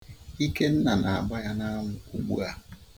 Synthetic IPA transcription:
i˦ke˦n̩˦na˨na˨a˨ba˦ja˦na˦ŋʊ˨u˨ɡ͡bṵ˦a˨

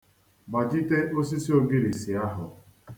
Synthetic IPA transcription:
ma˨d͡ʒi˦te˦ʔo˦s̬i˦si˦o˦ɡi˦ɾi˨si˨a˦ɦʊ˨

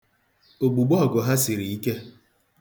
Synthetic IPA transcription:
o˨ɡ͡bu˨ɡ͡bɔ˦˨ɡʊ˨ɦa˦si˨ɾi˨i˦ke˦

